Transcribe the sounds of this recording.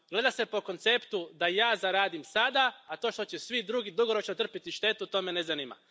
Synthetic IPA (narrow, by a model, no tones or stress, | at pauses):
ɡ̥le̞d̪ase̞po̞ko̞nt̪se̞pt̪ud̪ajaːzaɾaːd̪imsad̪aːt̪o̞ːʃt̪ot͡ɕe̞sʋid̪ɾuɡid̪uɡo̞ɾo̞t͡ʃnot̪r̩pit̪iʃt̪e̞t̪ut̪o̞me̞nezanima̰